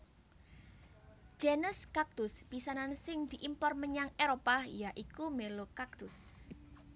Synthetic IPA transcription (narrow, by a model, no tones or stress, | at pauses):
d͡ʒ̥enəskak̚t̪ʊspisanansɪŋd̪̥iʔimpɔrməɲaŋeɾopajaʔikumelokak̚t̪ʊs